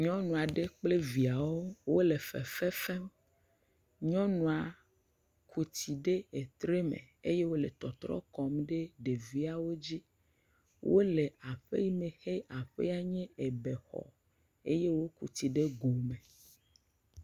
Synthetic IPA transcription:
ɲɔ̃˦nũ˨a˨ɖe˦k͡ple˦vi˨a˨wo˦wo˦le˨fɛ̰˨fɛ˦fɛ˦m | ɲɔ̃˦nũ˨a˨ | kʰu˨t̪i˨ɖe˦e˨t̪ɾe˦mḛ̃˨e˦je˦wo˦le˨t̪ɔ˨t̪ɾɔ̰˦kɔ˦mɖe˦ɖe˨vi˦a˨wo˦d͡ʑi˦ | wʔo˦le˨a˨ɸe˦ji˦me˨xe˦a˨ɸḛ˦a˨ɲɛ̃˦e˨be˨xɔ̰˨ | e˦je˦wo˦kṵ˨t̪i˨ɖe˦ɡo˨mẽ˨

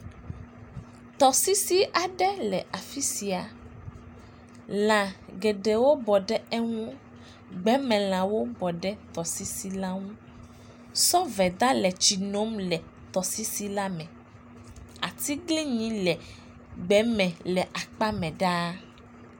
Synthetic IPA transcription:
t̪ɔ˨si˦si˦ʔa˨ɖɛ˦lɛ˨ʔa˨fi˦si˨a˨ | lã˨ɡɛ˨ɖɛ˨wo˦bɔ˨ɖɛ˦ɛ˦ŋũ˦ | ɡ͡bɛ˨˦mɛ̃˨l̃ã˨wo˦bɔ˨ɖɛ˦t̪ɔ˨si˦si˦la˦ŋũ˦ | sɔ˦vɛ˨d̪a˦lɛ˨t͡ɕi˨nõ˨˦mlɛ˨ | t̪ɔ˨si˦si˦la˦mɛ̃˨ | a̰˨t̪i˦ɡli˦ɲĩ˨˦lɛ˨ | ɡ͡bɛ˨˦mɛ̃˨lɛ˨ʔa˨k͡pa˦mɛ̃˨ɖa˦

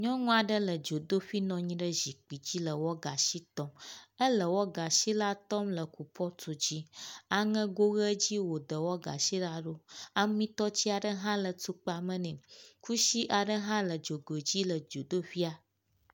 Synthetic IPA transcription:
ɲɔ̃˦ŋũ˦a˨ɖə˦lə˨d͡ʒo˨d̪o˦ɸi˦nɔ̃˨ɲĩ˦ɖə˦zi˨k͡pi˨d͡ʑi˦lə˨wɔ˦ɡa˨ʃi˦t̪ɔ˦mə˦lə˨wɔ˦ɡa˨ʃi˦la˦t̪ɔ˦mlə˨ku˨pʰɔ˦t̪u˨d͡ʑi˦a˦ŋə̃˦ɡo˦ɣə˦d͡ʑi˦wo˨d̪ə˨wɔ˦ɡa̰˨ʃi˦la˦ɖo˦a˦mĩ˦t̪ɔ˦t͡ɕi˦a˨ɖə˦ɦã˦lə˨t̪u˦k͡pa˨mə̃˦nɛ̃˨ku˦ʃi˦ʔa˨ɖə˦ɦã˦lə˨d͡ʒo˨ɡo˨d͡ʑi˦lə˨d͡ʒo˨d̪o˦ɸi˦a˨

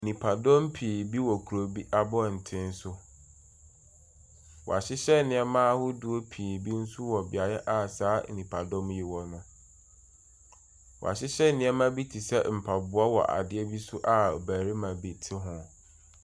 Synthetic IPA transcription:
nĩ˨pʰa˨dɔ̃˦mpʰi˨bi˦wɔ˨kʰu˨ɾo˨bi˦ʔa˦bɔ˦˨n̩˨tʰɪ̃˦n̩˦sʊ˦ | wɔ̰˨a˨ɕɪ˦ɕɛ˦˨nɪ̃˨˦ɛ˦mãː˦hʊ˦du˦o˦pʰi˨bi˦n̩˦sʊ˦wɔ˨bɪ˨a˨jɛ˦ʔa˨saː˨˦˨nĩ˨pʰa˨dɔ̃˦mji˨wɔ˨nʊ̃˦ | wɔ̰˨a̰˨ɕɪ˦ɕɛ˦˨nɪ̃˨˦ɛ˦mã˦bi˦tʰi˨sɛ˦m̩˨pʰa˨bʊ˦a˦wɔ̰˨ʔa̰˨dɪ˦ɛ˦bi˦sʊ˦ʔa˦o˨bæː˨ɾi˦mã˨bi˨tʰɪ˦ɦʊ̃˨

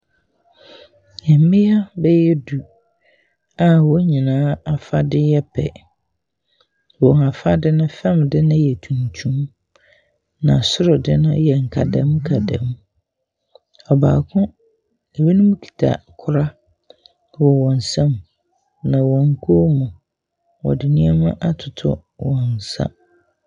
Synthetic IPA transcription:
jɛ˨m˦mɪ̃˦a˦bɛ˦jɛ˦du˨ | a˨wɔ˦ɲĩ˨nãː˨˦a˨fa˦dɪ˦jɛ˦pʰɛ̰˨ | wɔ̃˨ŋa˨fa˦dɪ˦nʊ̃˦fɛ̃˦˨mdɪ˦nʊ̃˦jɛ˨tʰũ˨n˨tʰũ˦m | nã̰˨sʊ˦ɾʊ˨dɪ˦nʊ̃˦jɛ˨ŋ̩˨kʰa˨dã˦m˦kʰa˨dã̰˨˦m | ɔ˨baː˨kʰʊ̃˦ | e˨wi˦nʊ̃˦mũ˦kʰi̥˨tʰa̰˨kʰʊ˦ɾa˦ | wɔ˨wɔ̃˨n̩˨sã˦m | nã˨wɔ̃˨ŋ̩˦kʰo˦mũ˨ | wɔ̰˨dɪ˨nĩ˦ɛ˦mã˦ʔa˦tʰʊ˨tʰʊ̰˦ | wɔ̃˨n̩˨sa̰˦

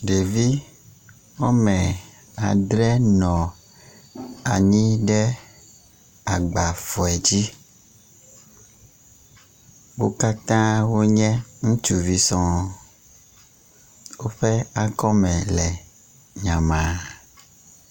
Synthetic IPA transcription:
ɖe˨vi˦ | wɔ˦mɛ̃˨ | a˨ɖɾɛ˦nɔ̃˨ | a˨ɲĩ˦ɖɛ˦ | a˨ɡ͡ba˨fɔ˨ɛ˨d͡ʑi˦ | wo˦ka˦t̪ã˦wo˦ɲɛ̃˦ŋũ˦t͡ʃu˨vi˦sɔ̃˦ | wo˦ɸɛ˦a˦kɔ˦mɛ̃˨lɛ˨ | ɲã˨mã˨

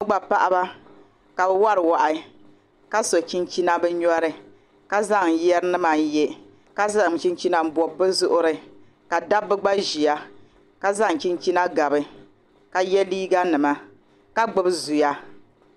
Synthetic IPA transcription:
ɨ˦ɡ͡ba˨pa˦ʔa˦ba˦ | ka˨bɛ˦wa˦ɾɨ˨wa˨ʔa˨ | ka˦so˨t͡ʃi˦nt͡ʃi˦na˦bɨ˦ɲɔ˦ɾɨ˨ | ka˦za˦ŋjɛ˦ɾɨ˦nɨ˦ma˨n˦jɛ˦ | ka˦za˦˨ŋ˨t͡ʃi˦nt͡ʃi˦na˦m̩˦bɔ˨bːɨ˦zʊ˦ʔʊ˦ɾɨ˨ | ka˨da˦bːɨ˦ɡ͡ba˦ʒi˨a˦ | ka˦za˦ŋ˨t͡ʃi˦nt͡ʃi˦na˦ɡa˨bɨ˨ | ka˨jɛ˦liː˦ɡa˦nɨ˨ma˦ | ka˦ɡ͡bɨ˦bzu˨ja˦

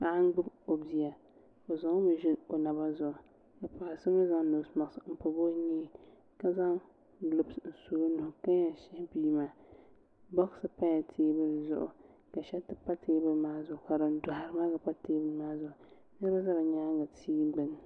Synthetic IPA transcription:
ba˨a˦ŋ˦ɡ͡bʊ˦bo˨bi˨a˨ | o˨za˨ŋ˦mɪ˨ʒɪ˦no˨na˨ba˦zʊ˨ʔʊ˨ | ka˨pa˨ʔa˨sɨ˦ma˦za˦ŋ˦nʊ˨sma˨ksm̩˨po˨bo˦ɲiː˦ | ka˦za˦ŋ | lʊ˨bsn̩˨su˨˦o˦nʊ˨hʊ˨ka˦ja˨ʃɪ˦hɪ˦biː˦maː˦ | bɔ˦ɣsɨ˨pa˦ja˨tʰeː˦bɨ˦n˦zʊ̰˦ʔʊ̰˨ka˨ʃɛ˦tɨ˨pa˦tʰeː˦bɨ˦maː˦zʊ˨ʔʊ˨ka˨ɾɨ˨n˦dʊ˨ɦa˨ɾɨ˦ma˦ka˨pa˦teː˦bɨ˦maː˦zʊ˨ʔʊ˨ | nɛ˦ba˦za˦ba˨ɲa˦ŋɡa˨tʰiː˦ɡ͡bɨ˦n˨

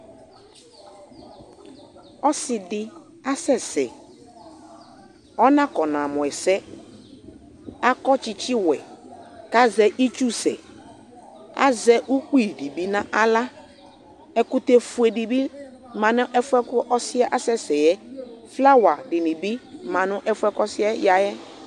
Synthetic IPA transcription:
ɔ˦sɪ˨dɪ˨ | a˦sɛ˨sɛ̰˨ | ɔ˦nã˦kɔ˨nã˨mɔ̃˨ɛ˨sɛ˦ | a˦kɔ˦t͡ʃɪ˨t͡ʃɪ˦wɛ˨ka˦zɛ˨ʔi˦t͡ʃu˦sɛ̰˨ | a̰˦zɛ˦ʔu˦k͡pi˦˨di˨bi˦nã˦ʔa˦la˦ | ɛ˨kʊ˦te˦fu˨e˨di˨bi˦mã˨nʊ̃˦ʔɛ˦fʊ˦ɛ˦kʊ˦ʔɔ˦sɪ˦a˦ʔa˦sɛ˦sɛ˨jɛ˦fla˦wa˨dɪ˨nɪ̃˨bi˦mã˨nʊ̃˦ʔɛ˦fʊ˦ɛ˦kɔ˦sɪ˦ɛ˦ja˨jɛ˦

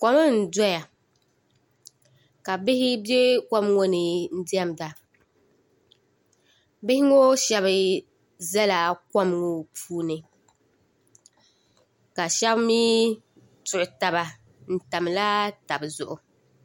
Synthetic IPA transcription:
kɔ˨mɨ˦n̩˨dɔ˦ja˨ | ka˨bɪ˦hɪ˦be˦kɔ˦mŋo˦nɨ˨n̩˦di˦ɛ˦m˨da˨ | bɪ˦hɪ˦ŋo˦ʃɛ˦βɨ˨ | zɛ˦la˨kɔ˦m˦ŋo˨pʰuː˦nɨ˨ | ka˨ʃɛ˦bmiː˦ | tʊ˨ɾʊ˨ta˨ba˨ | n̩˨ta˨m˨la˦ta˨bɨ˨zʊ˨ʔʊ˨

